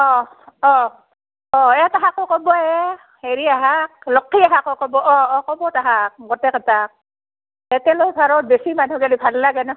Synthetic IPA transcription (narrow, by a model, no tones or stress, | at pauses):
ɔ | ɔ | ɔɛtaɦakokɔbɔɛ | heɹiaɦak̚lɔkʰːiaɦakɔkɔbɔʔɔɔkɔbɔtaɦak̚ɡɔtɛkʰatak̚ | ɛtɛlojpʰaɹɔt̚besimanɦukalibʱalːaɡɛnɔ